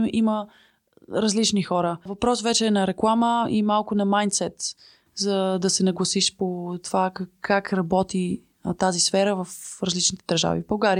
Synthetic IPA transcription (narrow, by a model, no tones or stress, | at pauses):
ʔimə | ɾɐzlit͡ʃnixɔɾəvɐpɾɔsvɛt͡ʃɛːnɐɾɛklˠaməimalˠkʊnɐmajnt̪sɛt̪ | zɐd̪ɐsɛnɐɡlˠɐsiʃpot̪ovakʰːakɾɐbɔt̪i | t̪azisfɛɾəvɐfɾɐzlit͡ʃnit̪ɛd̪əɾʒa̰vḭbɐlˠɡaɾi